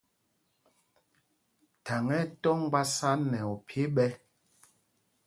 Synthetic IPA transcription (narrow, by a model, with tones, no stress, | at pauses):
ta˨ŋɛ˦tɔ˦ŋ˦ɡ͡ba˦sa˦nɛ˨ɔ˨pʰje˦ɓɛ˦